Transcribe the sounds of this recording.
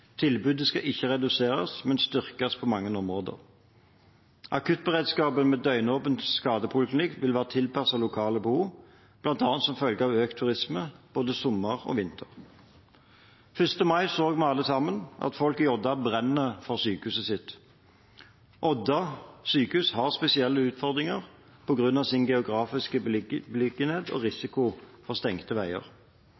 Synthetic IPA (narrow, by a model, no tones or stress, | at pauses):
t̪ʰɪlbʉːd̪əskɑʔɪçːəʁɛd̪ʉseːʁɑsmɛnst̪ʏʁkɑspʰoːmɑŋːənɔmʁoːd̪ə̰ʁ | ʔɑkʉt̪̚bəʁeːd̪skɑːbəmɛːd̪œʏnoːpənt̪skɑːd̪əpʰʊlɪkʰlɪnɪkʋɪlʋæːʁət̪ʰɪlpʰɑsɑlʊkʰɑːləbəhuː | b̥lɑnt̪ɑːnt̪sɔmfœlɡəɑːʋøːkt̪ʰʉʁɪsməb̥oːd̪əsɔmːəʁo̰ːʋɪnt̪ʰəʁ | fʏst̪əmɑɪsoːɡmɛɑlːəsɑmːənʔɑ̰t̪fɔlkiɔd̪ɑbʁɛnːəfɔʁsyːkəʉsəsɪt̪ | ʔɔd̪ɑsyːkʉshɑʁspɛsɪɛlːəʉːt̪fɔʁd̪ʁɪŋəʁ | pʰɔɡʁʉnɑʋsɪnɡɛʊɡʁɑːfɪskəblɪɡənheːt̪ɔ̰ːʁɪsɪkʊfɔʁst̪ɛŋt̪əʋæɪə̰ʁ